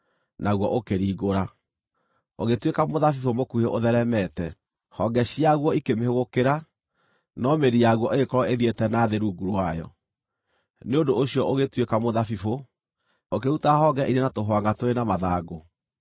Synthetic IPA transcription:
naɣwɔʔokeɾiːɣoɾa | oɣetwekamoðafifomokueʔoðɛɾɛmɛtɛ | hɔɡɛɕiaɣwɔikemehoɣokeɾa | nɔmeɾijaɣwɔʔeɣekɔɾɔeðietɛnaːðeɾuːɡuɾwajɔ̰ | neodooɕiɔʔoɣetwekamoðafifo | ok̬eutaɦɔɡɛʔiɾenatoɦwaŋɡatoɾenamaðaɡo

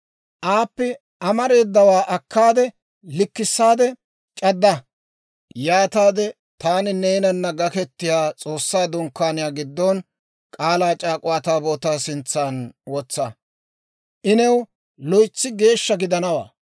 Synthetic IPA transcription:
ʔaːpːɛ | ɐmɐɾe̞ːd̪ːɐwaːʔɐkːaːd̪ɛ | lɪkːɪsːaːd̪ɛ | t͡ʃʼɐd̪ːɐ | jaːt̪aːd̪ɛ | t̪aːnɪnejnɐnːɐɡɐkɛt̪ːɪjaːt͡sʼoːsːaːd̪ɔŋkːaːnɪjaːɡɪd̪ːɔn | kʼaːlaːt͡ʃʼaːkʼʊwaːt̪aːboːt̪aːsɪnt͡sːaːnwɔt͡sːɐ | ʔɪnɛw | lɔjt͡sːɪɡe̞ːʃːɐɡɪd̪ɐnɐwa̰ː

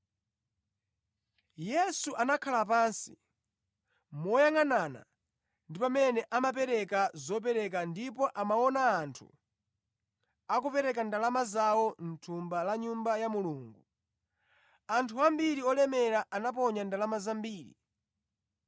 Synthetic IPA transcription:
jɛsuʔanakʰalap̬aːnsi̥̰ | mɔjaŋanana̰ | ndipamɛnɛʔamap̬ɛɾɛkazɔp̬ɛɾɛk̬andipɔʔamawɔnaːntʰṵ | ak̬upɛɾɛkandalamazawɔn̩tʰumbalaɲumbajamuluːŋɡu | antʰuambiɾiɔlɛmɛɾaʔanap̬ɔɲandalamazambiːɾḭ

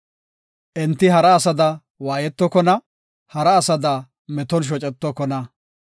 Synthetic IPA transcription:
ʔɛnt̪ːɪɦɐɾɐːsɐd̪ɐ | waːjɛt̪ːɔkɔnɐ | hɐɾɐːsɐd̪ɐ | mɛt̪ɔnʃ̬ɔt͡ʃʼɛt̪ːɔkɔnɐ

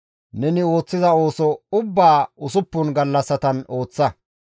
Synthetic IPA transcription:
nɛnɪo̞ːt͡sːɪzɐo̞ːsɔʊbːaːʊsʊpːʊnɡɐlːɐsːɐt̪ɐno̞ːt͡sːɐ

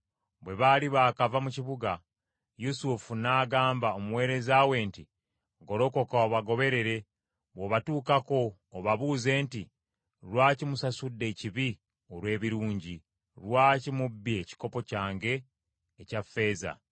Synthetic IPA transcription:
βwe̞βaliβaːkavamuciβuɡa | jusufunaːɡaːmbaomuwe̞ːɾe̞zaːwe̞ːnti | ɡo̞ɾo̞ko̞kaoβaɡo̞βe̞ɾe̞ɾe̞ | βoβatuːkako̞ː | βaβuːze̞ːnti | ɾwaːcimusasudːe̞ciβi | o̞ɾwe̞ːβiɾuːɲɟi | ɾwaːcimubːie̞ci̥ko̞po̞caːŋɡe̞ː | cafːe̞ːza̰

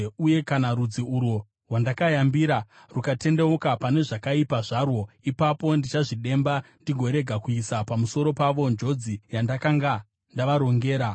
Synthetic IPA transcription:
uje̞kanaɾud͡ziuɾu | ɦwandakajambiɾa | rukate̞ndeokapane̞ʐakaipaʐarwo̞ipapo̞ndit͡ʃaʐiɗe̞mbandiɡʱo̞ɾe̞ɡʱakuisapamuso̞ɾo̞paʋo̞nd͡ʒo̞d͡zijandakaŋɡa | ndaʋaɾo̞ŋɡe̞ːɾa

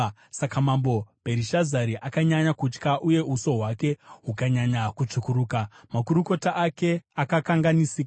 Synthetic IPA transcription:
sakamambo̞b̥ʱeɾiʃazaɾiʔakaɲaɲakut͡ʃkaʔuje̞uso̞ɦwake̞ɦukaɲaɲakut͡ʂukuɾuːkamakuɾuko̞taʔake̞akakaŋɡanisiːk

